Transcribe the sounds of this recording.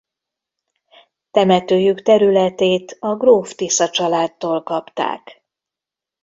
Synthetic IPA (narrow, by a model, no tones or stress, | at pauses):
t̪ɛmɛt̪øːjykt̪ɛɾylɛt̪eːt̪ɒɡroːft̪isɒt͡ʃɒlaːt̪ːoːlkɒpt̪a̰ːk